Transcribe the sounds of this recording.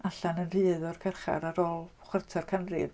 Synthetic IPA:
aɬanənrɨːðɔrkʰɛrχa̰ɾaɾɔːlˠ | χwərtʰɛrkʰanrɪ̰v

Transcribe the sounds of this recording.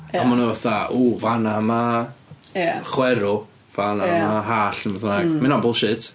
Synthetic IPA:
amanuvaθauːvanama | aχwɛɾʊ | v̥anamaɦaːɬəməðʊnaɡmɪnabʊlˠʃɪtʰ

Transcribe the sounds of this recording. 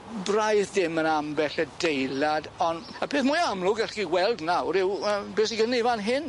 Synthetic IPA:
brajðdɪmənambɛɬədejlˠadɔn | əpʰeːθmʊɨamlˠʊɡɛɬiwɛlˠdnawɾɪwəbeːsiɡənivanɦɪn

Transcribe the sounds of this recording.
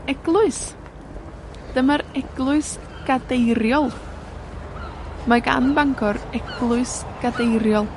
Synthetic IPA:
ɛɡ̥lˠʊɨs | d̥əmaɾɛɡ̥lˠʊɨs | ɡ̥adejɾjɔlˠ | maɡa̰nbaŋɡʰɔɾɛɡ̥lˠʊɨs | ɡ̥adejrjɔlˠ

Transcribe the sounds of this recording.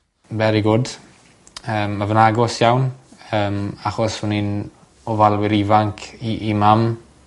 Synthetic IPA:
bɛɾiɡʊd | əːmːavənaɡɔsjawnəːmaχɔsʊnin | ɔvalˠwɪɾivaŋkʰiʔimam

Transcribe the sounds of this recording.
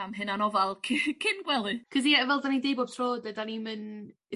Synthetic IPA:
amɦɨnanɔvalˠkʰɪkʰɪnɡwɛlˠɨkʰəs̬ivɛlˠdanidejbɔb̥̚tʰroːdɛdanimɨn

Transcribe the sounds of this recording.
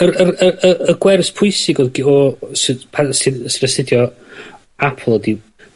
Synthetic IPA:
əɾərəəəɡwɛrspʰʊɨsɪɡɔðɡɔsɪpʰasɪsvəsɪdjɔ | apʰl̩ˠɔdi

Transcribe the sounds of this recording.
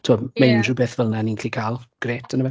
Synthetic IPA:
tʰuɔmejndubeːθvəlˠnaninkʰlikʰaːlˠɡ̥reːtʰənəvɛ

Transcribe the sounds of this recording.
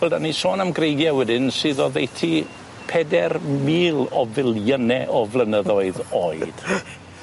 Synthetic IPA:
wɛlˠdanisoːnamɡrejɡjawɛdɪnsɨːðɔðejtʰi | pʰɛdɛrmiːlˠɔvɪlˠjənɛʔɔvlˠənəðɔɨðoːɨd̥

